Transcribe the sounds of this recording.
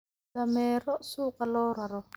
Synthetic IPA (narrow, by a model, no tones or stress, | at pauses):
amɛɾɔsukalɔɾwaɾɔ